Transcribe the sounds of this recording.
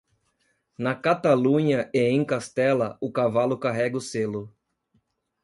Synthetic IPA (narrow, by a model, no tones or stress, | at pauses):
nɐkat̪alũɲɐʔeẽj̃kast̪ɛlɐʊkavalʊkaɦɛɡɐʊselʊ